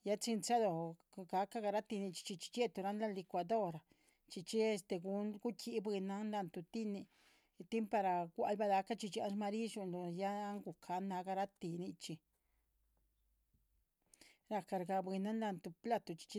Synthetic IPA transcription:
ja˦t͡si˧nt͡sa˦d̪o˨ | ɡa˧ka˦ɡa˧ɾa˦t̪i˧ni˧t͡ʃi̥˧t͡ʃi˧t͡ʃi̥˧t͡ʃe˦t̪u˧ɾa˦nla˦nli˧kʷa˧d̪o˦ɾa˨ | t͡ʃi˧t͡ʃi˦e˧st̪e˧ɡu˧nɡu˦kʰi˧˦bwi˧na˦nla˧nt̪u˧t̪i˦ni˧ | t̪i˦mpa˧ɾa˨ɡʷa˧˦lba˧d̪a˧ka˦t͡ʃi˧t͡ʃa̰˧˦nʃma˧ɾi˦ʃu˧nlo˧ja˦ŋɡu˨kʰa˧nːa˧ɡa˧ɾa˦t̪i˧ni˧t͡ʃi˧ | ɾa˧ka˧ɾɡa˧bi˧na˦nla˧nt̪u˧pla˦t̪o˨t͡ʃi̥˧t͡ʃi˦

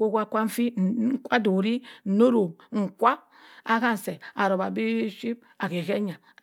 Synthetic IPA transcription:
ko˦kʷa˦˨kʷa˦m̩˦fi˦˨ŋ̩˨kʷa˦do˨ɾi˦n̩˨no˦ɾo˨ŋ̩˨kʷa˦ | a˦ɣa˦n̩˨se˨a˨ɾo˨ba˨bi˦ʃi˦b̚ | a˨ke˨ɣe˦ɲa˨

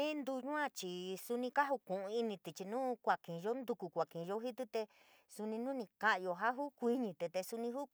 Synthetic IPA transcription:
ĩ˦nd̪u˧ɲũ˦ã˦˧t͡ʃi˨su˧nĩ˧ka˦ɦu˧kũ˨ʔũ˧i˧nĩ˧t̪i˨t͡ʃi˧nũː˦kʷa˨kĩ˨˧ʒo˦nd̪u˧ku˧kʷa˨kĩ˨˧ʒo˦ɦi˦t̪̬u˦t̪e˧ | su˧nĩ˧nũ˦nĩ˧ka˧ʔjo˧ɦa˦ɦu˦kʷi˧ɲĩ˧t̪e˧t̪e˧su˧nĩ˧ɦu˦

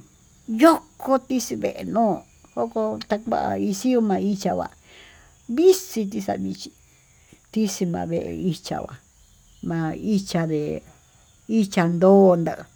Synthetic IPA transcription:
jo˦kʰo˧t̪i˦si˧βḛ˨ʔe˨nõː˦˨ | ho˦ko˧t̪a˧kʷa̰˦ʔa̰˧i˧si˦o˧mã˧i˦t͡ʃa˧βa̰˨ | βi˦si˧t̪̬i˧sa̰˧˨˧βi˧t͡ʃi˧ | t̪i˦si˧mã̰ː˧βe˧ʔḛ˧i˧t͡ʃa̰˧βa̰˨ | mã˧i˦t͡ʃa˧ðe˨ | i˦t͡ʃa˧nd̪oː˦˧nd̪a˧ʔ

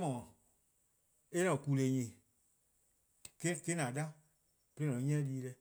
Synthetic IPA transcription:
mɔ̃˨ | e˦nɔ̃˨ku˨le˨ɲĩ˨ | ke˦˨ke˦nã˨dã˦ | pe˧le˦nɔ̃˨ɔ̃˨˦ɲɛ̃˦liː˦lɛ˧

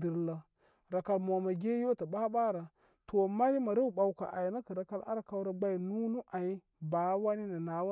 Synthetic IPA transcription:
di˨ɾla˨ | ɾa˨ka˨lmo˨ma˨ɡʲe˦jo˦ta˨ɓa˦ɓa˦ɾa˨ | tʰo˨ma˦ɾi˦ma˨ɾa˦u˦˨ɓa˨wka̰˨ʔa̰˨jna˦kə˨ɾa˨ka˦la̰˦ɾa˨ka˦wɾa˨ɡ͡ba˦i˨nu˦nu˦ʔa˨i˦ | ba˨˦wa˦ni˦na˨na˨wa˦

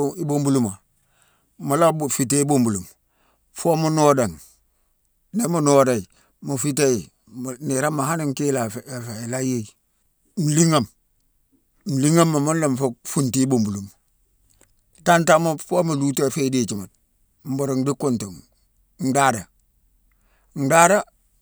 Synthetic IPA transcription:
i˦bo˦mbu˦lu˨ma˨ | ma˨la˦bfi˨te˦i˦bo˦mbu˨lu˨m | fo˦mu˦no˦da˨n | ne˦mu˨no˦da˨i˨ | mu˨fi˦te˦i˨ | m˨ni˨ɾa˦mːa˨ha˦ni˦ŋ˦ki˦la˨fe˨la˦je˦˨i˨ | m̩˨li˦ŋa˨m | m̩˨li˦ŋa˦mːa˨mu˦nla˨m˨fo˦fu˦nti˦bo˨mbu˨lu˨m | ta˦nta˦ma˦fo˦mu˨lu˦ta˦˨fe˦di˦t͡ʃi˨ma˨t̚ | m̩˦bu˨ɾu˨ŋdi˦ku˦˨nto˨ŋ | n˦da˦da˨ | n̩˨da˦da˦

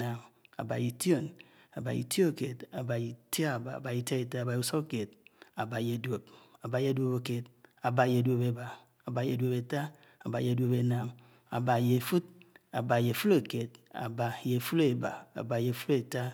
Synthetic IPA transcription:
a˨ma̰˨ba˨ji˨ti˦o˦˨na˨ba˨jḭ˨ti˦o˦ke˨ta˨ba˨ji˨ti˦a˦˨ba̰˨ba˨i˨ta˦e˨ta˦˨ba˨u˦˨so˦ke˨t̚a˨ba˨je˨dwo˨p̚a˨ba˨je˦dwo˨po˨ke˨ta˨ba˨je˨dwo˨pe˨ba˨ | a˨ba˨je˨dwo˨pe˨ta˦ | a˨ba˨je˨˦do˨pe˨na˨m | a̰˨ba˨je˨fu˦t̚a˨ba˨je˨fu˦le˨ke˨t̚a̰˨ba˨je˨fu˦le˨ba̰˨a̰˨ba˨je˨fu˦le˨ta˦

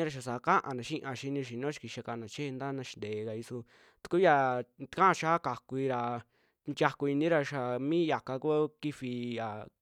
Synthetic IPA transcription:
ɾa˧ʃ̬a˨sa˨˧ka˦ʔã̰˧nã˨ʃĩ˦ʔã˧ʃi˧nĩ˧ʃi˨nõ˦ʃi̥˧ki˧ʃa˧ka˧nã˨t͡ʃe˦˧nd̪a˦nã˧ʃi̥˧nd̪eː˨˧ka˧i˧su˧ | t̪u˧ku˦ja˧t̪kã˦ʔʃaː˦ka˨ku˧i˧ɾa˨ | nd͡ʒʲja˧ku˧i˧nĩ˦ɾa˧ʃa˨mĩ˦ja˨ka˧ku˦ki˦fi˧ja˨

